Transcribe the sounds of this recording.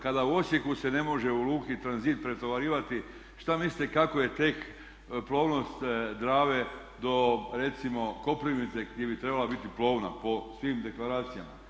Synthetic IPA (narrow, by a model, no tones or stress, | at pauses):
kad̪auo̞sje̞kuse̞ne̞mo̞ʒe̞uluːkit̪ɾanziːt̪̚pɾet̪oʋaɾiːʋat̪i | ʃt̪amislit̪ekako̞je̞t̪e̞k | plˠo̞ːʋno̞st̪d̪ɾaːʋe̞ | d̪o̞ɾe̞t̪simo̞ko̞pliʋnit̪se̞ɡd̪ʲjebit̪ɾe̞balabit̪iplˠo̞ːʋna̰po̞sʋimd̪e̞klaɾaːt̪sijama̰